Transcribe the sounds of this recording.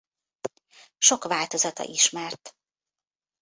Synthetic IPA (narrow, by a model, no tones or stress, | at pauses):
ʃo̞kʋaːlt̪o̞zɒt̪ɒ̰ʔiʃmɛrt̪